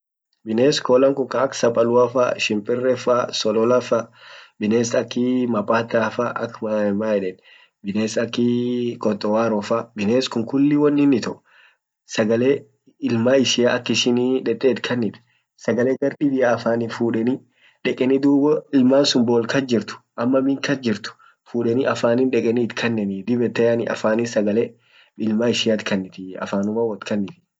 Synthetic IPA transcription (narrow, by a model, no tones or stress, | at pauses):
bɪneːskoːlɐŋkʊŋkɐɐksɐpʼɐlʊafa̰ʃɪmpʼɪrːɛfasɔlɔlɐfɐbɪneːsɐkːɪmɐpʼaːt̪afaʔɐkːmɐɛmaːɛᶑɛn | bɪneːsɐkːɪkʼɔt̪ʼːɔwaːɾɔfabɪneːskʊŋkʊlːɪwɐnːɪnːɪt̪ɔʔ | sɐɡɐleː | ɪlmaːɪʃɪjaɐkːɪʃɪniᶑɛt̪ʼːeːt̪kʰɐnːɪt̪ɪ̥ | sɐɡɐleːɡɐɾdɪbɪʔaːfaːnɪfuːᶑɛni | ᶑɛkʼɛnɪd̪uːbɔɪlmaːnsʊmboːlkɐd͡ʒɪɾt̪ʊ̥ʔɐmːɐbɪŋkɐd͡ʒɪɾt̪ʊ̥ | fuːᶑɛnɪʔɐfaːnɪnᶑɛkʼɛnit̪kʰɐnːɛnɪd̪ɪbɛt̪ːɛjanɪʔɐ̰faːnɪsɐɡɐle | ɪlmaːɪʃɪjat̪kʰɐnːɪt̪ɪɐ̰faːnʊmɐwɐt̪kʰɐnːɪt̪ɪ̥